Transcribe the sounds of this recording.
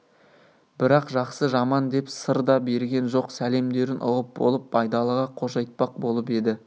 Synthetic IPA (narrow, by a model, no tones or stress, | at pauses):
b̥ɪɾɑqʒɑqsəʒɑmɑnd̪e̞psəɾd̪ɑbe̞ɾɡʲe̞nʒo̞qsæle̞md̪e̞ɾɪnʔʊ̰ʁəp̚bo̞̰lˠəpːʰɑjd̪ɑlˠəʁɑqʰo̞ʃɑjt̪̚pɑq̚bo̞lˠəpe̞d̪ɪ